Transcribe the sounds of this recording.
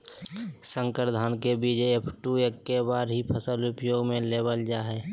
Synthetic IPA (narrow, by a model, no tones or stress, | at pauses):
sə̃ŋkəɾd̪ʱaːnkebid͡ʒəepʰʈuekːebaːɾɦipʰəsəlʊpjoːɡmẽleːbəld͡ʒaːɦɛː